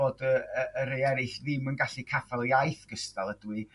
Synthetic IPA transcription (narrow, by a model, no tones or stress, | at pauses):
oːdəəːɾejɛɾɪɬðɪmənɡaɬikʰafalˠəajθɡ̥əstalˠədwi